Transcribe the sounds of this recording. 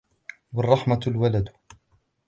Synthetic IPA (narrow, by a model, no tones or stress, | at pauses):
wɑrˤːɑħmalwalad̪